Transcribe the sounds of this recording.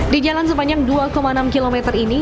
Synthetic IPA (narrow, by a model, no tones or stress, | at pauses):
did͡ʒalans̬əbaɲd͡ʒaŋduakomaənamkilomɛt̪ərini